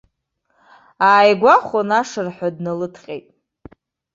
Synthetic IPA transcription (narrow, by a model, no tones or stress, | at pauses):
aːjɡʷaχʷonaʂɨrħʷᶣadnalɨtʰqʲʼḛjtʼ